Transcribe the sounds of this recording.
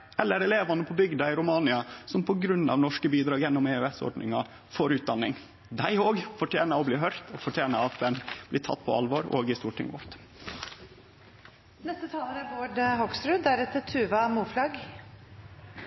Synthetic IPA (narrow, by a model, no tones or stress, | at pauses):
ɛlːəɾɛleːʋɑnəpʰɔbʏɡd̪ɑɪɾʊmɑːnɪɑsɔmpʰɔɡɾʉnːɑ̰ʋnɔʂkəbiːd̪ɾɑːɡjɛnːʊmeʉɛsɔ̰ɾɖɳʔɪ̰ŋɑ | foːɾʉːt̪̚d̪ɑnːɪŋ | d̪æɪoːɡfɔʈʰjeːnɑɔbliːɦœɾt̪ʰɔfɔʈʰjeːnɑɑt̪ʋɛnb̥liːt̪ʰɑ̰t̪ːpʰɔ̰ɑ̰lʋoːɾo̰ːɡɪst̪uːʈʰɪ̰ŋʋɔ̰ɾt̪ | nɛst̪ət̪ʰɑːləɾæɾboːɖhɔɡsɾʉːæɾɛt̪ːət̪ʰʉːʋɑmuːflɑɡ